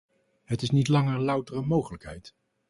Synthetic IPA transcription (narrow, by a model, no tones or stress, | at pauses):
ɦətɪsnitlɑŋəɹlʌwtərəmowχələkɦɛ̰jt